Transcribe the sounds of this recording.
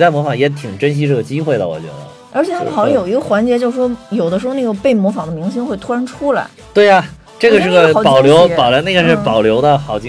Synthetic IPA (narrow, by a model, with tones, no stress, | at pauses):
t̪a˥˩ɪmwɔ˧˥fɑ˨˧˥ŋjɛ˧˥t̪ʰi˨˩ŋʈ͡ʂə˥nɕ̬i˥ʈ͡ʂɤ˥˩ɡə˩t͡ɕi˥xwe˥˩ɪlə̰˩wɔ̰˨˩t͡ɕɥɛ̰˧˥d̪ə̰˧ | ə˞˧˥t͡ɕʰjɛ˨˩t̪ʰxʊjjo˨˩ʊi˧˥ɡə˧xwa˧˥nt͡ɕjɛ˧˥t͡ɕjo˥˧ʊʂɻ̩˩ʂwɔ˥jo˨˩ʊd̪ə˦ʂɻ̩˧˥xna˥˩ɡə˩pe˥˩ɪmwɔ˧˥fɑ˨˩ŋd̪ə˦mi˧˥ŋɕi˥ŋxwe˥˩ɪt̪ʰu˥ɻa˧˥nʈ͡ʂʰu˥la̰˧˥ɪ | t̪we˥˩ɪɐ˩ | ʈ͡ʂɤ˥˩˧ɡə˩ʂɻ̩˥˩ɡə˩˥pɑ˨˩˧ʊljo˧˥ʊpɑ˨˩ʊla˧˥na˥˩ɡə˧ʂɻ̩˥˩pɑ˨˩ʊljo˧˥ʊd̪ə˧xɑ˨˩ʊt͡ɕi˧